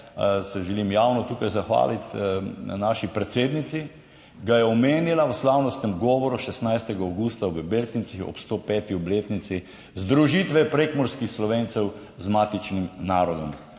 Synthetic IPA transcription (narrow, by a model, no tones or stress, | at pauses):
sɛʒɛlimjaːwnɔt̪uːkajzaxʋa̰ːlit̪naːʃipɾɛt̪seːd̪nit̪si | ɡajɛɔmeːnilawəslaːwnɔst̪nɛmɡɔːʋɔɾuʃɛst̪najst̪ɛɡaawɡuːst̪aʋəbeɾt̪nisixɔ̰pst̪oːpɛːt̪iɔbleːt̪nit̪si | zd̪ɾuʒit̪ʋɛpɾekmɔɾskixslɔʋeːnt̪sɛw | zmaːt̪it͡ʃnimnaːɾɔd̪ɔm